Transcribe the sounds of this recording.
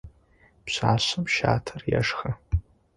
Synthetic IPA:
pɕaːɕɨmʃaːtʰɐrja̰ʂχɐ

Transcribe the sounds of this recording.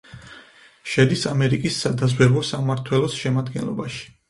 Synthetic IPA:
ʃɛd̪isamɛɾikʼisːad̪azwɛɾvɔsamaɾt̪ʰwɛlˠɔsʃɛmad̪ɡɛ̰nlˠɔ̰baʃi̥

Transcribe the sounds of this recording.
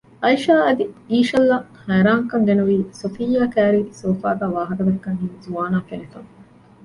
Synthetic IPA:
ʔɐjʃaːɐd̪iiːʃɐlːɐhæːɾaːŋkɐŋɡenuʋiːsofijːaːkæːɾiːsoːfaːɡ̪aːʋaːɦɐkɐd̪ɐkːɐŋɦiːzuʋaːnaːfenit̪ɐŋ

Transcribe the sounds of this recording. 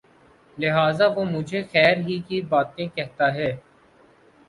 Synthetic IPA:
lɪɦaːzaʋomʊd͡ʒʱexɛːɾɦikibaːt̪ẽkɛɦt̪aɦɛː

